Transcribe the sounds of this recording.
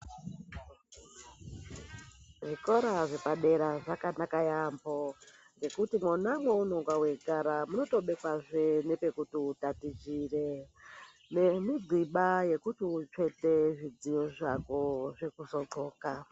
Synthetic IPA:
ʐiko̞ɾaʐepaɗe̞ɾaʐakanakajambo | ŋɡe̞kutimunamweunoŋɡwawe̞ɡʱaɾamuno̞to̞ɓe̞kwaʐenepe̞kutiutatid͡ʒire | ne̞miɡʱiɓaje̞kutit͡ʂe̞te̞ʐid͡zijoʐakoʐekuzo̞ǃo̞ːka

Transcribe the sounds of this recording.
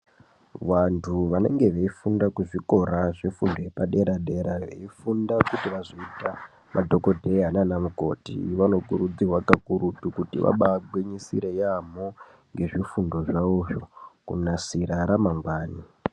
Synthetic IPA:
ʋantʰuʋane̞̰ŋɡe̞ʋeifundakuʐiko̞ɾaʐifundojepaɗe̞ɾaɗe̞ɾaʋe̞̰ifundakutiʋazoita | mʔadʱo̞ko̞dʱe̞ɦananamuko̞̰tḭʋano̞kuɾud͡zirwakakuɾutukutḭʋa̰ɓaɡweɲisḭɾe̞jamo | ŋɡe̞ʐifundo̞ʐauʐo̞kṵnasiɾaɾamaŋɡwaːni

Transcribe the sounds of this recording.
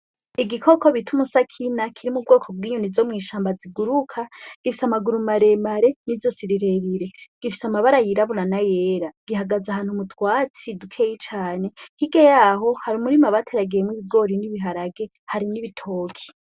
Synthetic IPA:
iɡikʰo̞ko̞βitʰumusakʰinakʰiɾimub̚ɡo̞ːkʰo̞b̚wiːɲunizo̞mŋiːʃaːmbaziɡuɾukʰaɡ̥ifisamaɡuɾumaɾe̞maɾe̞nizosiɾiɾe̞ɾiɾe̞ɡ̥ifi̥samaβaɾajiɾaβuɾanajeːɾaɡ̥iɦaɡazaɦaːn̥humutʰwaːt͡sidukʰeːjit͡ʃaːne̞kiɡejaːɦo̞haɾumuɾimaβatʰeɾaɡejemŋiβiɡo̞ɾiniβiɦaɾaɡe̞ | haɾiniβitʰo̞ːkʰi̥

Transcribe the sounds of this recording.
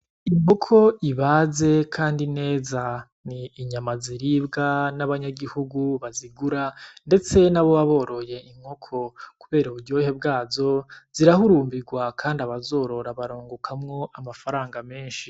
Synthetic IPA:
imokʰo̞iβaːze̞kʰaːndine̞ːza | niːɲamaziɾiːbɡanaβaɲaɡihuɡuβaziɡuɾande̞t͡se̞naβo̞βaβo̞ːɾo̞je̞imŋhokʰo̞kuβe̞ːɾauɾɟoːhe̞bɡaːzo̞z̥iɾahuɾuːmbiɡwakʰaːndiaβazo̞ːɾo̞ɾaβaɾoːŋɡokʰamŋo̞ʔamafaɾaːŋɡame̞ːnʃi

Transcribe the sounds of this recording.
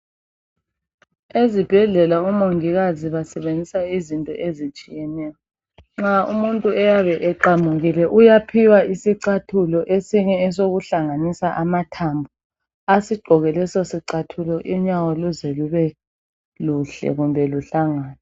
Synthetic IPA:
ezib̥ʱɛɮɛlaumoŋiɣaziβasɛβend͡zʱisaizintʼɔ̰ʔezit͡ʃʼijɛnɛːjɔ | ŋ͡ǁaṵmuntʼuɛjaβɛʔɛǃamuɣilɛʔujapʰiwaisiǀatʰulɔʔesiɲɛːsoɣuɬaŋanisaʔamatʰambʱu | asiɡ͡ǃʱɔɣɛlɛsɔsiǀatʰulɔʔiɲawɔluzɛluβɛ | luɬɛ̰ɣumbʱɛluɬaŋaːna

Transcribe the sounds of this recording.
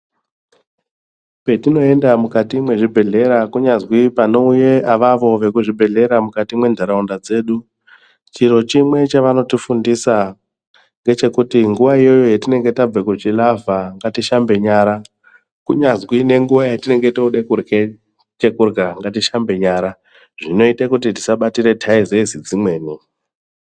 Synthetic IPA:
pe̞tino̞e̞ndamukatimwe̞ʐibʱe̞ɮe̞ɾakuɲazwipano̞uje̞aʋaʋo̞ʋe̞kuʐibʱe̞ɮe̞ɾamukatimwe̞ndʱaɾaundad͡ze̞ːɗu | t͡ʃiɾo̞t͡ʃimwe̞t͡ʃaʋano̞tifundisa | ŋɡe̞t͡ʃe̞kutiŋɡuʋaijo̞jojetine̞ŋɡe̞tab͡vekut͡ʃilavaŋɡatiʃambe̞ɲaːɾa | kuɲazwine̞ŋɡuʋajatine̞ŋɡe̞touɗekurɡe | t͡ʃekurɡaŋɡatiʃambe̞ɲaːɾa | ʐ̥ino̞itakutiti̥saɓatiɾe̞tʰaizezid͡zimwe̞ːni

